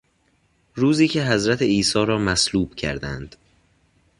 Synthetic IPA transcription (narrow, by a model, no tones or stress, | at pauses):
ɾuːziːcʰe̞ɦæzɾæt̪ʰeiːsɒːɾɒːmæsluːb̥cʰæ̰ɾd̪æ̰nd̪̥